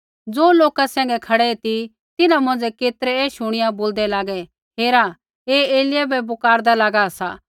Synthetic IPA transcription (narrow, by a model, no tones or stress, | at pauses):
d͡zoːloːkasɛ̃ːŋɡɛkʰɐɽɛɛt̪i | t̪ɪnãmɐ̃nd͡zɛkeːt̪ɾɛɛːʃʊɽ̃ɪjaboːld̪ɛlaːɡɛ | ɦeːɾa | eːeːlɪjabɛbʊkaːɾd̪alaːɡaɐsaː